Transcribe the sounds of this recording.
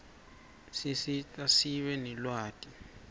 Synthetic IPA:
sisitʼasiɓɛnɛlwaːtʼi

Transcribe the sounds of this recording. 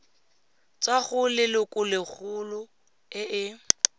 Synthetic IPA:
t͡saɣʊlɪlʊkʼʊlɪk͡xʰulʊ | ɪɪ

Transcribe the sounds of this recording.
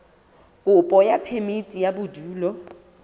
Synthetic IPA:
kʼʊpʼɔjapʰemitʼijabʊduːlɔ

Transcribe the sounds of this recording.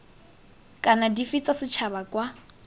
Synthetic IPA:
kʼanadifit͡sʼasɪt͡ʃʰaβakʼwa

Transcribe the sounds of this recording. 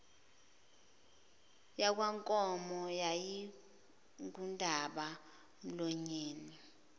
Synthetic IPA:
jak̬waŋkʼɔmɔjaji | ŋkundʱaɓa | m̩lɔɲeːni

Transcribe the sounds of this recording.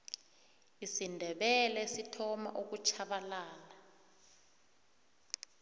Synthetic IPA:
isindʱɛɓɛlɛsitʰɔma̰ʔuk̬ut͡ʃʰaɓalaːla

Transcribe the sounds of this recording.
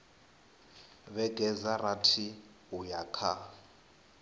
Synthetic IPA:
βɛɡɛzaratʰi | ujakʰa

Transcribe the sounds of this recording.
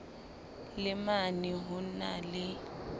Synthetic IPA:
lɪmaniɦʊna̰lɪ

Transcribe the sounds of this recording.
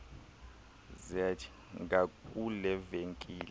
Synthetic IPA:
zɛt͡ʃʰ | ŋɡakʼulɛveŋkʼiːl

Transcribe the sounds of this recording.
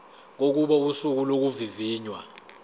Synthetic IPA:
k̬ok̬uɓɔusuk̬ulok̬uviviːɲwa̰

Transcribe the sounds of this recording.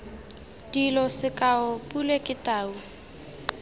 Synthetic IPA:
d̥ilɔsɪkʼaʊpʼulekʼɪtʼaːu

